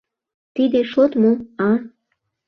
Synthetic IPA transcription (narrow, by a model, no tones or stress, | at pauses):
t̪id̪eʃot̪moɑ